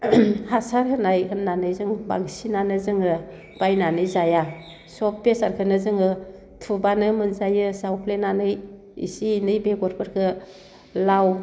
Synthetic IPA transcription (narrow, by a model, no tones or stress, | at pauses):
hasaɾhɯnajhɯnːanɯjzɯŋba̰ŋsinanɯzɯŋɯ | b̥ajnanɯjzaja | sɔp̚besaɾkʰɯnɯzɯŋɯ | tʰubanɯmɯnzajɯsawpʰlenanɯj | ḭsinɯjbeɡɔɾpʰɯɾkʰɯ | law